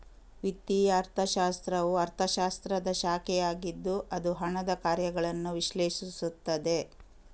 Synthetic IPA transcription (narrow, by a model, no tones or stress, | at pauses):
ʋit̪ːijɐːɾt̪ʰɐʃaːst̪ɾɐʋuɐɾt̪ʰɐʃaːst̪ɾɐd̪ɐʃaːkɛjaːɡid̪ːuʔɐd̪uɦɐɳɐd̪ɐkaːɾjɐɡɐɭɐnːuʋiʃleːʃisut̪ːɐd̪e̞